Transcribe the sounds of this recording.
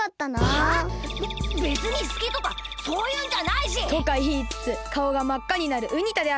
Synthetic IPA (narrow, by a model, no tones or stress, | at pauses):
at̪ːana | be̞t͡sɨɲ̟isɨ̥kʲit̪o̞ka | so̞ːjɯːɲ̟d͡ʑanaiɕit̪o̞kaçiːt͡sɨ̥t͡sɨkao̞ɡamakːaɲ̟inaɾɯ̟ʔɯ̟ɲ̟it̪ad̪e̞a